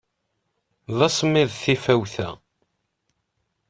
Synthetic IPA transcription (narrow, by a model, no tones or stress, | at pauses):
ðˤɑsˤmːɪðˤθifæwθæ̰